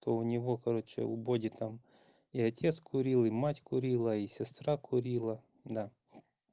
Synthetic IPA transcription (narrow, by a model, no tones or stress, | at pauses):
t̪ɔʊnʲiʋɔkɐɾɔt͡ʃɛ̰ubɔdʲit̪am | iɐt̪ʲʰɛt̪skʰʊɾʲilˠimatʲkʊɾʲilˠɐisʲest̪ɾɑkʰʊɾʲilˠɐ | d̪ɑ